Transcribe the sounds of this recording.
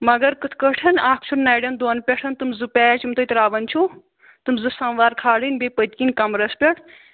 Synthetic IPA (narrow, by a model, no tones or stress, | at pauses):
mɐɡɐɾkɨt̪ʰkəʈʰɐnaːkʰt͡ʃʰunnaːjɖɐnd̪oːnpʲeʈʰɐnt̪ɨmzɨpʲɛːt͡ʃʰimt̪əjt̪ɾaːʋɐnʲt͡ʃʰu | t̪ɨmzɨsɐnʋaːɾkʰaːɽinʲbepəd̪kinʲkɐmɾɐspʲeʈʰ